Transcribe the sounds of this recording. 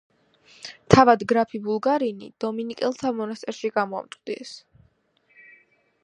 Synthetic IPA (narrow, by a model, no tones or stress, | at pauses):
t̪ʰavad̪ɡɾapʰibulˠɡaɾinḭd̪̥ɔminikʼɛlˠt̪ʰamɔnast̪sʼɛɾʃiɡamɔa̰mt̪ʼd̪iɛs